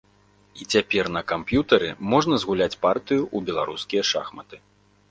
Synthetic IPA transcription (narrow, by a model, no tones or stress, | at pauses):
it͡sʲapʲɛrnɐkampjut̪ɐɾɨ̰mɔʐnɐzɣulʲat͡sʲpart̪ɨjuʔubʲɛlˠaɾuskʲijɐʂa̰xmɐt̪ɨ̥